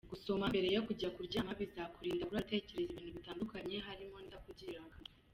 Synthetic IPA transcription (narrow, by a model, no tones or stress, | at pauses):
ɡuso̞mambe̞ɾe̞jo̞kuɟakuɾɟaːmaβizakuɾiːndaβuɾautece̞ɾe̞zeβiːnuβitaːndukaɲe̞ɦaɾimo̞ndakuɟiɾaɡa